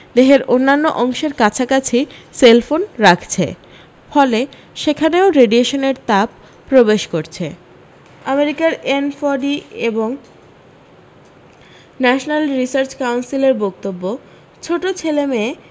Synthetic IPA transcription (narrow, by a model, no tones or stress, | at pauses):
d̪eɦeɾonːanːoʔɔŋʃeɾkat͡ɕʰakat͡ɕʰiselfonɾakʰt͡ɕʰḛ | fɔle | ʃekʰaneoɾeɖieʃoneɾt̪ap̚ː | ɾobeʃkoɾt͡ɕʰḛ | ameɾikaɾenfɔɖieboŋ | nɛʃonalɾisaɾt͡ɕkawnsileɾbok̚t̪obːo | t͡ɕʰoʈot͡ɕʰeleme